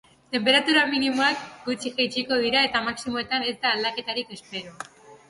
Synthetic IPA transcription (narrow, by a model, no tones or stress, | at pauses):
t̪e̞mpe̞ɾat̪uɾaminimoakɡut͡ʃiʝajt͡ʃiko̞ðiɾae̞t̪amaksimo̞e̞t̪ane̞zd̪aːld̪ake̞t̪aɾike̞speɾo